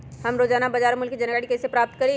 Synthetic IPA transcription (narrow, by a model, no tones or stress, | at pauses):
hɐmɾoːd͡ʒaːnabɐd͡ʒaːɾmʊlkːid͡ʒɐnaɽikesepɾaːp̚t̪kɐɾẽ